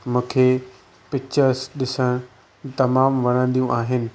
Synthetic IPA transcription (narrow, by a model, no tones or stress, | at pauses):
mũːkʰeː | pɪt͡ɕəsɗɪsəɽ̃ | t̪ɐmaːmʋɐɽ̃ə̃nd̪ijũʔaːɦɪnɪ̆